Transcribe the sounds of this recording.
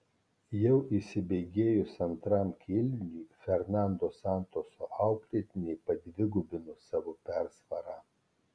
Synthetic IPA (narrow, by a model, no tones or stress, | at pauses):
jɛʊʔisʲɪbʲɛɪɡʲeːjʊsɐnt̪ɾɐmkʲʰɪlʲnʲuːfʲɛɾnɑˑnd̪oːsɑˑnt̪oːsoːʔɑˑʊklʲet̪ʲɪnʲɛɪpɐd̪ʲʋʲɪɡʊbʲɪnʊsɑːʋopʲæɾsʋɐɾɑː